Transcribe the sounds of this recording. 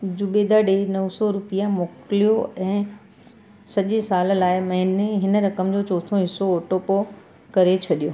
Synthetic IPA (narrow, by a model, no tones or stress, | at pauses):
d͡ʑʊɓed̪aɖenɐʋsɔɾʊpijamoːkɪlijoɛ̃ː | sɐʄesaːllaːɪmɐɦɪneɦɪnə̆ɾɐkəmd͡ʑoːt͡ɕɔːt̪ʰoɦɪsoːʈopo | kɐɾet͡ɕʰɐɗijoː